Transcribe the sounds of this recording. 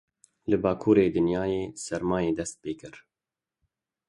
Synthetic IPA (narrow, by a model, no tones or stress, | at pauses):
lɨbɑːkʰuːɾeːd̪ɨnjaːjeːsɛɾmaːjeːd̪ɛst̪̚peːkɨɾ